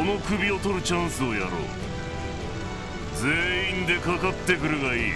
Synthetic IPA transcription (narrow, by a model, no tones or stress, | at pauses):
ono̞kɯ̟bʲio̞t̪o̞ɾɯ̟t͡ɕãɰ̃sɨo̞ja̰ɾo̰ː | d͡ze̞ːĩnd̪e̞kakat̪ːe̞kɯ̟ɾɯ̟ɡaiː